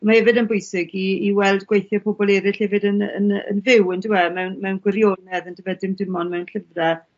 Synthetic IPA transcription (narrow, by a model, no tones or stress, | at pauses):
mahɛvɨdənbʊjsɪɡiiːwɛlˠdɡwejθjɔpʰɔbɔlˠɛɾɪɬhɛvɨdənə̰nə̰nvɪwəndɪɛmɛwnmɛwnɡwɪɾjonɛðəndəvɛdɪmdɪmɔnmɛwnɬəvrɛ